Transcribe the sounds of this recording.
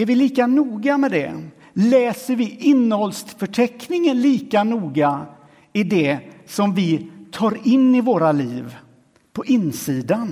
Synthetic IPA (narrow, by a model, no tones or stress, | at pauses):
ɛɾvɪliːkanuːɡamɛd̪ɛ̰ | lɛːsəɾvɪʔɪnːəhɔlst̪fœʈʰɛknɪŋənliːkanuːɡa | ɪd̪ɛsɔmvɪt̪ʰɑːɾɪnːɪvoːɾaliːv | pʰɔʔɪnːsiːd̪an